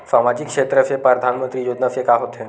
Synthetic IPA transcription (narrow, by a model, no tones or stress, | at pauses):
samad͡ʑikːʂet̪ɾəfepɾəd̪ʱanmənt̪ɾiːjod̪nəfekaɦot̪ʰe